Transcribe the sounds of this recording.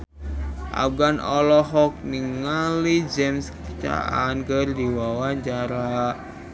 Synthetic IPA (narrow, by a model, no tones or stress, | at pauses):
ʔa̰fɡanɔlɔɦɔk̚niŋalid͡ʒɛmskt͡ʃa̰ʔankərdiwawaɲt͡ʃaɾa